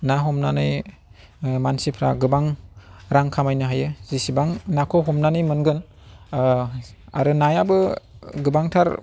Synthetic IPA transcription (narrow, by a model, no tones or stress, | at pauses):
naɦɔmnanɯj | mansipʰɾa̰ɡɯbaŋɾaŋkʰamajnɯɦajɯzisibaŋnakʰɔɦɔmnanɯjmɯnɡɯn | a̰ɾɯnajabɯɡɯbaŋtʰaɾ